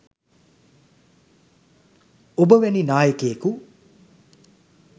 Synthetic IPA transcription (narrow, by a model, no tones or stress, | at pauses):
obəʋæninaːjəkejəku